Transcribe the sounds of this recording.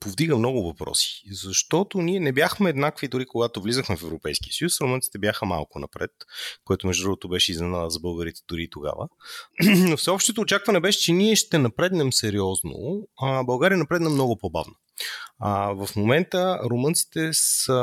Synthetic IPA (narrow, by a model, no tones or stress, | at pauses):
povd̪iɡəmnɔɡʊvɐpɾɔ̰si̥zɐʃt̪ɔt̪oniɛnɛbjaxmɛːd̪nakvid̪ʊɾikoɡat̪ovlizəxmɛfɛvɾopɛjsk̟iəsəjusɾomɤnt̪si̥t̪ɛbjaxəma̰lˠkʊnɐ̰pɾɛ̰t̪̚koɛt̪oʊmɛʒʊd̪ɾuɡʊt̪obɛʃɛiznɛnaəzɐbɤlˠɡəɾit̪ɛ̥d̪ʊɾit̪oɡa̰və̰ | nofsɛɔpʃt̪ot̪oːt͡ʃakvɐnɛbɛʃɛ̥t͡ʃɛniɛʃt̪ɛnɐpɾɛd̪nɛmsɛɾiɔzno̰bɐlˠɡaɾʲijənɐpɾɛd̪nɛmnɔɡʊpoba̰vnə | vɐfmomɛnt̪əɾomɤnt̪si̥t̪ɛsə